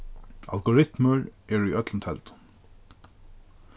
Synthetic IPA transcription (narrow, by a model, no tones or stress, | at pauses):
a̰lɡʊɾɪt̪məɹɛɹujœt̪lənt̪ʰɛ̰lt̪